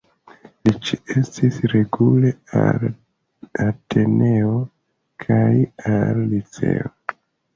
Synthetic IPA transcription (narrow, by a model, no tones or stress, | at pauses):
lit͡ʃie̞stisɾe̞ɡule̞al | ate̞ne̞o̞ | kʰaja̰lːit͡se̞̰o